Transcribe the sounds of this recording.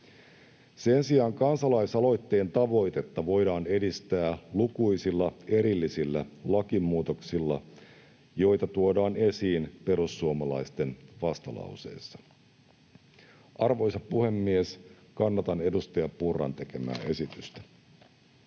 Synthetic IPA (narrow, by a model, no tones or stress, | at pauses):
se̞nsiɑːŋkɑnsɑlɑjsɑlo̞jt̪ːe̞ːnt̪ɑʋo̞jt̪e̞t̪ːɑʋo̞jdɑːne̞dist̪æːlukujsilːɑe̞ɾilːisilːælɑkimːuːt̪o̞ksilːɑ | jo̞jt̪ɑt̪uodɑːne̞siːnpe̞ɾusːuomɑlɑjst̪e̞nʋɑst̪ɑlɑ̰wse̞̰jsːɑ̥ | ʔɑrʋo̞jsɑpuhe̞mːies | kɑnːɑt̪ɑne̞dust̪ɑjɑppurːɑ̰nt̪e̞ke̞mæ̰ːʔe̞sit̪yst̪æ̥